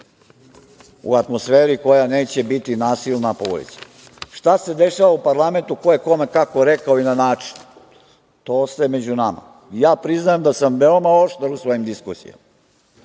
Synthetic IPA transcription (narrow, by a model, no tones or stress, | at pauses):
ṵat̪mo̞sfeːɾiko̞janeːt͡ɕe̞bit̪inaːsilˠnapoo̰ḭza | ʃt̪ase̞d̪e̞ʃaʋaupaɾlˠame̞nt̪uko̞jeko̞mekako̞ɾekaoinanaːt͡ʃi̥n | t̪oːsemed͡ʑunama̰ | jaːpɾiznajemd̪asamʋeomao̞ʃt̪aɾusʋo̞jimd̪iskusḭja̰ma